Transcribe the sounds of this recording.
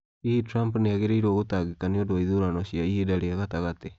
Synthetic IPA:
ietɾampneaɣeɾeiɾwoɣotaɣikaneodoaiðoɾanɔɕiaiedaɾeaɣataɣate

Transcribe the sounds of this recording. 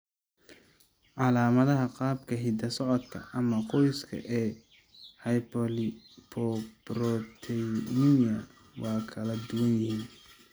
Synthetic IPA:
ʕɑlaːmɐðɐɦɐqɑːbkʰɐhɪd̪ɐsɔʕɔd̪kʰɐ̰ʔɐmɐqɔjskʰɐ̰ʔɛː | hɐjpʰɔlɪ | pʰɔbrɔt̪ʰɛnjɐ | wɑːkʰɐlɐd̪ʊwɐnjɪhiːn

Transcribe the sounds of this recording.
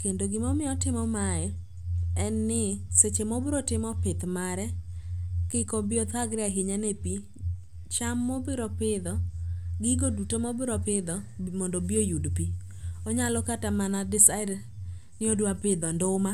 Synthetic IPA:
kendoɡɪmomɪɔtɪmɔmajɛ | ɛnːɪset͡ʃemobɪɾotɪmɔpɪt̪maɾɛ | kɪkobɪɔt̪ʰaɡɾɪaɦɪɲanepi | t͡ʃamːɔbɪɾɔpɪd̪ɔɡɪɡodutomɔbɪɾɔpɪd̪ɔmɔndobiojudpi | oɲalɔkatamanadɪsad | nɪodwapɪd̪ɔndoma

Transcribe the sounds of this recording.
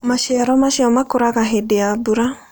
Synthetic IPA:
maʃɛɾɔmaʃɛɔmakoɾaɣaɦedeabuɾa

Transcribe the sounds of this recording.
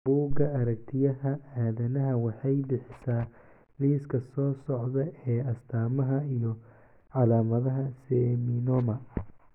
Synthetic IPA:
buːɡɐɐɾɐkt̪ʰɪjɐɦɐaːðɐnɐɦɐwɑħɑjbɪħɪsaː | liːskʰɐsɔːsɔʕðɐɛːɐst̪ʰaːmɐɦɐijɔ | ʕɑlaːmɐðɐɦɐsɛːminɔmɐ

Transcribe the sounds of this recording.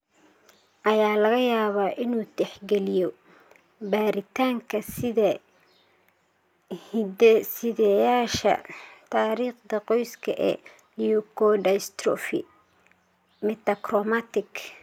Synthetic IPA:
ʔɐjaːlɐɣɐjaːβaːʔɪnuːd̪ɛħɡɛlɪjɔ | baːɾɪt̪ʰaːŋkʰɐsðɐ | sɪðɛjaːʃɐ̰t̪ʰaːɾiːχd̪ɐqɔjskʰɐʔɛ̰ | ijɔkʰɔɖɐst̪ɾɔ̰fɪ̰ | mɛt̪ɐkrɔmat̪ɪk

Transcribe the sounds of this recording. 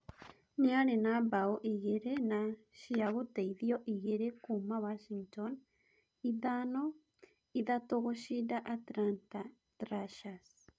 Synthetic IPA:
niaɾenabaoʔiɣeɾena | ʃiaɣoteiðioʔiɣeɾekumawaʃiŋton | iðano | iðatoɣoʃidaʔatɾanta | tɾaʃas

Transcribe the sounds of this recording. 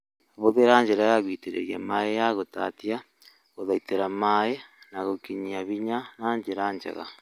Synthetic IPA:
aβoðeɾaːɲd͡ʒeɾajaɣwiːteɾḛɾjamaejaɣotatja | ɣoðaiteɾamaenaɣokiɲiaβiɲanaɲd͡ʒeɾaɲd͡ʒḛɣa̰

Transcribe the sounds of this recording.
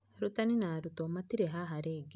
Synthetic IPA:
ɾutaninaɾutomatiɾeɦaɦaɾeɡ

